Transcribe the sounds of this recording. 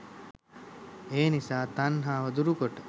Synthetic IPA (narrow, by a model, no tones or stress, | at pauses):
eːnisaːt̪anɦaːʋəd̪uɾukoʈə